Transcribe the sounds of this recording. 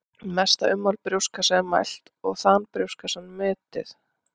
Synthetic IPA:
mɛst̪a̰ʏmːawlpɾjuwskasɛmːa̰jl̥t̪ɔɣθanpɾjuwskasɛnmʏːt̪ɪ̰θ

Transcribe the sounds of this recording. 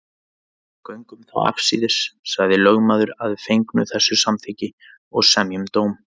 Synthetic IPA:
kœɥŋkʏmθa̰wa̰fsiðɪssaɣðɪlœɣmaːðʏɾaðfejŋknʏ̰θɛsːʏsamθɪcɪ | ɔɣsɛmjʏmt̪oːwm

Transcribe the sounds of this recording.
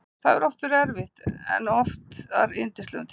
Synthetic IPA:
θaðɛɾɔft̪ʏɾɛɾvɪht̪ɛ̰nːɔft̪a̰ɾɪnt̪ɪst̪ɛ̰nt̪ʰ

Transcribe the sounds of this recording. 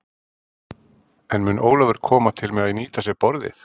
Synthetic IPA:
ɛnmʏnʔoːwlaðʏɾ̥kʰɔːmat̪ʰɪlmɛɣaðiniːt̪asjɛɣpɔɾðɪ̰θ

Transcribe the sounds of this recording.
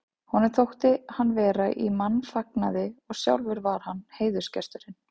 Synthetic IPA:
hɔnːɪɾ̥θʰowht̪ɪhanːvɛːɾaʔimanːfaknaðɪɔɣsja̰wlvɪɾvaɾ̥hanːheːjðʏ̥scɛ̰st̪ʏɾɪn

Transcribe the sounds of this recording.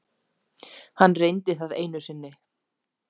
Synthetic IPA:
hanːrejnt̪ɪθaðeːjnʏsɪnːɪ

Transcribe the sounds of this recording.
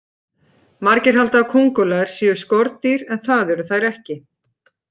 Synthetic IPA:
maɾcɪɾ̥ɦalt̪aːkʰuŋkɔlaɪɾ̥siːjʏ̥skɔɾt̪iɾɛnθaðœɾʏθajɾɛhcɪ

